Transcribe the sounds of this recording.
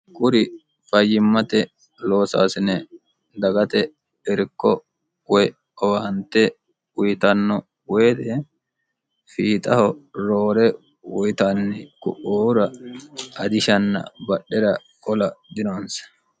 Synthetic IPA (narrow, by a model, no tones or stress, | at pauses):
kʼʊɾɪ | fɐjːɪmːɐt̪ɛ | lo̞ːsa̰ːsɪnɛ | d̪ɐɡɐt̪ɛ | ɛɾkːɔ | wɔj | ɔwaːnt̪ːɛ | ʊjɪt̪ɐnːɔ | weːd̪ɛ | fiːt̪ʼɐhɔɾo̞ːɾɛ | wʊjt̪anːɪkʊ̰ʔoːɾɐ | ɐd̪ɪʃɐnːɐ̰bɐɗːɛɾɐ | kʼɔlɐd̪ɪnoːnsɐ̥